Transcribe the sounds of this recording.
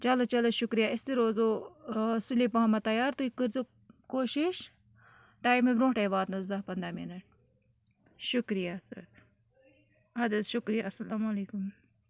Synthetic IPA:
t͡ʃɐlot͡ʃɐloʃʊkɾijaɪst̪iɾoːzo | suliːpɐɦɐmɐt̪ɐjaːɾt̪uikiɾzo | koːʃiʃ | ʈaːjbmebɾõːʈɐjbaːd̪nɐzɐpɐnd̪ɾaminɐʈ̚ | ʃʊkɾijasɐ̰ɾ | ɐd̪ɐsʃʊkɾijaɐsɐlaːmleːkʊm

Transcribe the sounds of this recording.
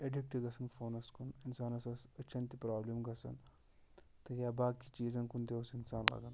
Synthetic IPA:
eɖik̚ʈiɡɐsɐnfoːnɐskuninsaːnɐsɐsɐt͡ʃːɐnt̪ipɾaːblemɡɐsɐ̰n | t̪ɐɡjaːbaːkːit͡ʃiːzɐnkund̪eʋɐsinsaːnla̰ɡɐn

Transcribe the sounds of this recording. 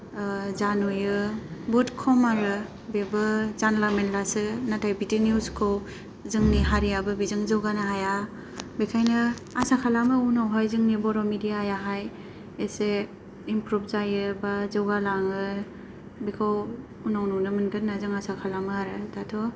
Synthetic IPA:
zanojɯbɔtkʰɔmaɾɯ | bebɯzanlamenlasɯnatʰajbitinjuskʰow | zɯŋniɦaɾijabɯbizɯŋzɯwɡanaɦaja | bekʰajnɯasakʰalamɯunawɦajzɯŋnibɔɾɔmidijaajaɦaj | ese | impɾub̚ʰzajɯbazɯwɡalaŋɯ | bikʰaw | unawnuwnɯmɯnɡɯtnazɯŋasakʰalamɯaɾɯdatʰɔ

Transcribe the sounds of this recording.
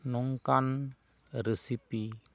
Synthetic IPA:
nuŋkan | ɾesipi

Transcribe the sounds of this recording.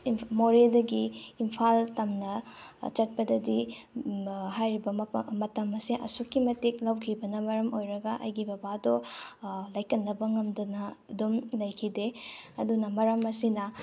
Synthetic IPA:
moɾedɐɡiːmpʰaltɐmnɐt͡ʃɐt̚pɐdɐdi | ɦajɾibɐmɐtɐmɐsiʔɐ̰sukːimɐtik̚lawkʰibɐnɐmɐɾɐmojɾɐɡɐʔɐ̰jɡibɐbadɔ | lɐjkɐnːɐbɐŋɐmdunɐdumlɐjkʰideɐdunɐmɐɾɐmɐsinɐ

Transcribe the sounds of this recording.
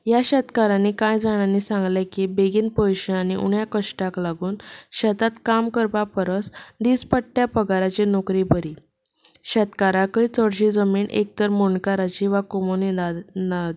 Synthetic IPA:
jaɕət̪kaɾãnːiːkãjd͡zaɽ̃anisãŋɡlekibeɡiːnpəjɕəɳañiʔṵɳjakəɕʈaklaɡuːnɕət̪at̪kamkəɾpapəɾəsd̪iːspəʈːjapəɡaɾat͡ɕenokɾibəɾiː | ɕət̪kaɾakəit͡səɽɕiːd͡zəmiːɳʔḛk̚t̪əɾmoɳkaɾat͡ɕiʋakomoninad̪

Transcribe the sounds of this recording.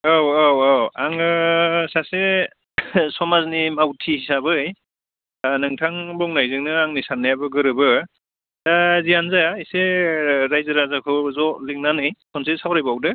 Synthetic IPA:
awawɔwaŋɯsase | sɔmaznimawtʰihisabɯj | nɯŋtʰaŋbɔŋnajzɯŋnɯaŋnisanːajabɯɡɯɾɯbɯ | dazijanzaiseɾajzɯɾazakʰɯzɔliŋ̚nanɯjkʰɔnsesawɾajbawdɯ

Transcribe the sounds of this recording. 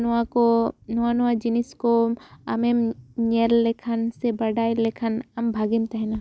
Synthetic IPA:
nuakonuanuwad͡ʒiniskoɐmemɲellekʰənsebɐɽaːjlekʰənɐmbʱaːɡimt̪ɐɦɛna

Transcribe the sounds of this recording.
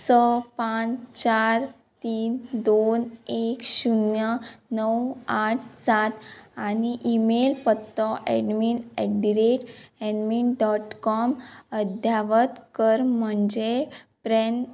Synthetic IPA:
səpat͡ɕaɾ | t̪iːnd̪onekɕunjənəwaʈ̚ʰsat̪aniʔimelpət̪ːɔʔɛ̰ɖminɛɖiɾeʈɛɖminɖɔʈkɔməd̪ʱjaʋət̪kəɾm̤əɳd͡ʑepɾɛn

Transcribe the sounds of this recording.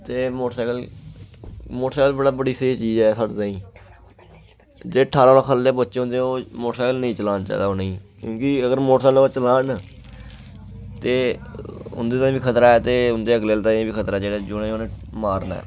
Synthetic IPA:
t̪eːmoːʈsaːkəl | moːʈsaːkəlbəɽaːbəɽiːseːt͡ʃiːd͡ʒɛːsaːɖt̪ãːĩː | d͡ʒeːʈʰaːɾaːãːkʰəlːeːbətːʃẽːɦʊ̃nd̪eoːmoːʈsaːkəlnəĩːt͡ʃəlaːnt͡ʃa̰ːd̪aːoːnəĩːkjõːkiəɡəɾmoːʈsaːlot͡ʃəlaːn | t̪eː | ʊ̰nd̪eːt̪ãːĩbiːkʰət̪ɾaːɛːt̪eːʊnd̪eːəɡleːlt̪ãːĩbiːkʰət̪ɾaːd͡ʒeːɽad͡ʒʊnẽoːnẽːmaːɾna̰ː

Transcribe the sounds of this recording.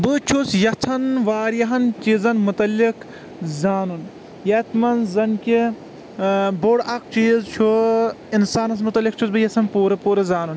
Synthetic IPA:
bɨt͡ʃʰusjɐt͡sʰɐnʋaːɾjɐɦɐnt͡ʃizɐnmut̪ɐlik | zaːnun | jɐt̪ʰmɐnzɐnkʲi | boɽɐk̚t͡ʃiːzt͡ʃʰu | insaːnɐs̬mut̪ɐlik̚t͡ʃʰusbɨjɐsʰɐnpuːɾɐpuːɾɐzaːnun

